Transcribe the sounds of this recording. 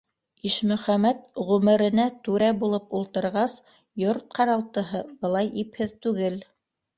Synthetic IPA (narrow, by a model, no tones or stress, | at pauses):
iʃmɵ̆χæmæt̪ʁʉmɘ̆ɾɘ̆næt̪ʉɾæbulˠɤpulˠt̪ɤ̆ɾʁɑs | joɾt̪̚qɑɾɑlˠt̪ɤ̆ɦɤb̥ɤ̆lˠɑjiphɘðt̪ʉɡɘl